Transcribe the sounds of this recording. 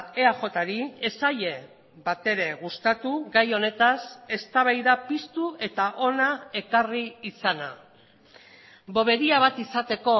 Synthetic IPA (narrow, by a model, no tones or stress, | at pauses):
eaxo̞t̪aɾiesaʎe̞ | βat̪e̞ɾe̞ɣust̪at̪uɣajo̞ne̞t̪ase̞st̪aβ̞ajðapist̪ue̞t̪aʔo̞nae̞kariːsana̰ | bo̞β̞e̞ɾiaβ̞at̪isat̪e̞ko̞